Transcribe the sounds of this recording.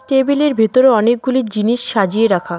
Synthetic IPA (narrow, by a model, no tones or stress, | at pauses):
ʈebileɾbʱit̪oɾoɔnek̚ɡuliɾd͡ʑiniʃʃad͡ʑieɾakʰa